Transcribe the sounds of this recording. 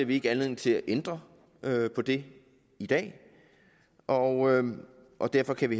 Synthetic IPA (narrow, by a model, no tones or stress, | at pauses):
ɐʋie̝ɡ̥əænleð̰ˠn̩t͡sʰe̝læʔend̥ʁɐ | øpʰɒ̽d̥e̝ | id̥ɛ̰ː | ʔɒø | ʔɒ̽d̥æɐfɒ̽kʰæʋi